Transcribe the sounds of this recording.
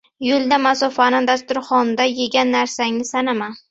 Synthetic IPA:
jʊlˠd̪amasɒfanɪŋd̪ast̪ʊɾχɒnd̪ajeɡʲanːaɾsaŋɪsanama

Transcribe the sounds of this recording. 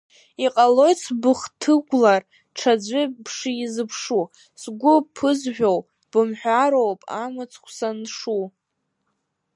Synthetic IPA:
iqʼalo̞jt͡sʰbɨχtʰɨɡʷlar | ʈ͡ʂʰad͡zʷʏpʰʂɨizɨpʰʂu | sɡʷʊpʰɨzʒʷᶣow | b̥ɨmħʷᶣaɾowpʼa̰mɨt͡sʰχʷʰsanʂu

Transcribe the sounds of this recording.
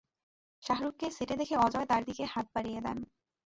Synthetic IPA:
ʃaɦɾukːeseʈed̪ekʰeɔd͡ʑɔet̪aɾd̪ikehat̪̚baɾijed̪ɛ̰n

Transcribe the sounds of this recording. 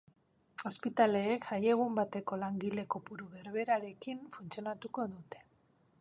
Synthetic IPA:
o̞spit̪ale̞ːkaje̞ɣ̞umbat̪e̞ko̞laŋɡile̞ko̞puɾuɣe̞ɾβe̞ɾaɾe̞kiɱfunt͡sio̞nat̪uko̞ðut̪e̞̥

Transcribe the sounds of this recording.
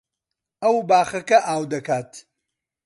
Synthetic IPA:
ɐwbaːχɐkɐʔaːwd̪ɐkaːt̪

